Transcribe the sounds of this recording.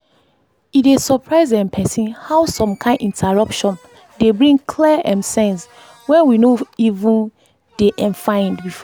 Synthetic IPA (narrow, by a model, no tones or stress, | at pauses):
itesɔpʰɹaɪzɛ̃npʰɛsĩnhaʊsɔ̃mkʰãɪ̃ndĩntʰɛɹɔpʃɔ̃n | debɹĩŋkʰliʔɛ̃nsɛ̃ns | wɛ̃nwinoivũn | d̥eʔɛ̃nfãɪ̃ndbif